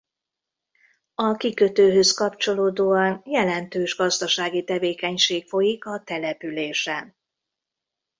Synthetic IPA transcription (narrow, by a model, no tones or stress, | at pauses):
ɒkikøt̪øːɦøskɒpt͡ʃo̞loːd̪oːɒnjɛlɛnt̪øːʒɡɒzd̪ɒʃaːɡit̪ɛveːkɛɲʃeːkfo̞jikɒt̪ɛlɛpyleːʃɛn